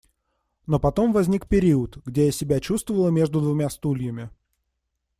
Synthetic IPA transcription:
no̞pɐt̪o̞mvɐzʲnʲikpʲɪɾʲiət̪ɡdʲejasʲɪbʲat͡ɕust̪vəvəlˠəmʲe̞ʐd̪ʊd̪vʊmʲast̪ulʲɪjəmʲɪ

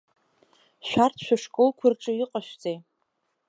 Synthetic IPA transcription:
ʃʷᶣartʰʃᶣaʂkʼolkʷʰʊrʈ͡ʂʼɨiqʼaʃʷᶣd͡zej

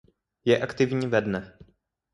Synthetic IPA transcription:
jɛʔakt̪ɪvɲiːvɛdnɛ

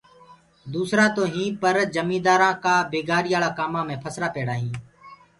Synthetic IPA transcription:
d̪uːsɾaːt̪oːɦĩːpəɾd͡ʒəmĩːd̪aːɾãːkaːbeːɡaːɾiːaːɭaːkaːmãːmẽːpʰəsɾaːpeːɽaːɦĩː

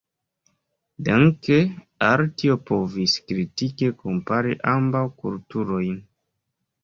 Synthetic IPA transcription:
daŋke | aɾtiopo̞viskɾitikekompaɾḭʔambawkṵltuɾo̞jn

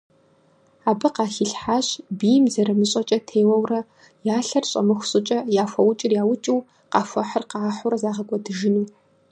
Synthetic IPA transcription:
aːbɨqɑːxiɬħaːɕbijmzɐɾɐmɨɕʼɐt͡ʃʼɐtʰeːwɐwrɐ | jaːɬɐrɕʼɐ̰mɨxʷʊsʼɨt͡ʃʼɐjaːfʷɐwʊt͡ʃʼɪrjaːwʊt͡ʃʼiw | qɑːfʷɐħərqɑːħʊɾɐzaːʁɐkʷʼɔdɨʒɪnuː

